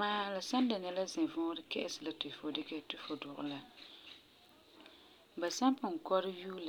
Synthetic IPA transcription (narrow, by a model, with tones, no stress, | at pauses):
maː˦la˨sa˦n˦da˨nɛ˦la˦zɪ˨vʊː˦ɾɪ˦kɛ˦ʔɪ˦sɪ˨la˨tɪ˨fo˨dɪ˦kɛ˦tɪ˦fo˨dʊ˨ʔʊ̰˨la˦ | ba˨sa˦mpʊ˨ŋ˨kɔ˦ɾɪ˦juː˦la˨